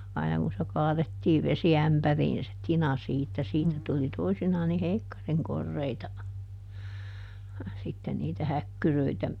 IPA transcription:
ɑinɑ kun se kɑːðetːiːʋ ʋesiæmpæriːn se tinɑ siːtːæ siːtæ tuli toisinɑːn ni heikːɑriŋ korːeitɑ sitːen niːtæ hækːyrøitæ

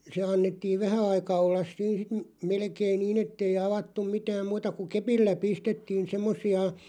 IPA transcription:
se ɑnːetːiːn̞ ʋæhæ ɑikɑ olːɑs siːn̞ sit m̥ melkein̆ niːn etːei ɑʋɑtːum̆ mitæːm muːtɑ ku kepilːæ pistetːiːn semːosˑiɑ

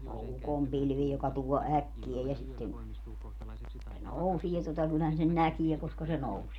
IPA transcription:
ne o ukompilʋi jokɑ tuo ækːiæ jɑ sitːen se nousie totɑ kylːæhæn sen nækie koskɑ se nousie

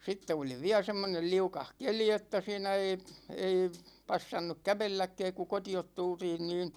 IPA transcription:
sitːe oli ʋiæ semːonel liukɑh keli etːæ siːnæ ei ei pɑsːɑnːuk kæʋelːækːɛːk ku kotiot tultiːn niːn

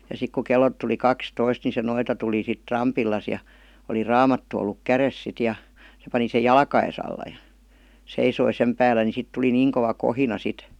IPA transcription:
jɑ sik ku kelːot tuli kɑkstoist ni se noitɑ tuli sit rɑmpilːɑs jɑ oli rɑːmɑtːu olːuk kæres sit jɑ se pɑni sej̆ jɑlkɑes ɑlːɑ jɑ̥ seisoi sem pæːlːæ ni sit tuli niːŋ koʋɑ kohinɑ sit

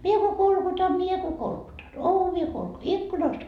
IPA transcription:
mie ko kolkutɑm mie ko kolkutɑn oʋiɑ kolku ikːunɑst

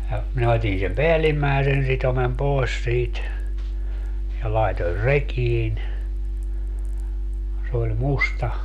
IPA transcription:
jɑ minæ otʲin sem peælːimːæesen sitomem poes siːt jɑ lɑetor rekiːn s olʲ mustɑ

